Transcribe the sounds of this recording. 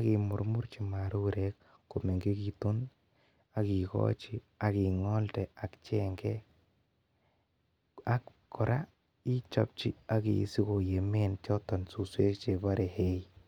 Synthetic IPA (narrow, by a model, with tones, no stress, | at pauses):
a˦ki˨mʊ˨ɾmu˦ɾt͡ʃi˨ma˨ɾu˦ɾɛ˦k | ko˨me˨ŋɡe˦ki˨tu˦n | a˨ki˨kɔ̰˦t͡ʃi˦ | a˨ki˨ŋɔ˦ltɛ˨a˨kt͡ʃɛ˦ŋɡɛ˦ | a˦k | kːɔ˨ɾa˦ | i˦t͡ʃɔ̰˨p̚t͡ʃi˦a˦kḭ˨si˦ko˨je˨me˦nt͡ʃɔ˦tɔ˨nsu˨swe˦t͡ʃe˨ba˦ɾɛ˨he˦i˦